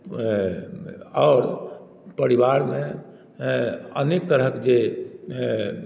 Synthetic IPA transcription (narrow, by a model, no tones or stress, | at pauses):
ɔːɾ | pəɾiʋaɾmẽ | ənekt̪əɾəɦəked͡ʒe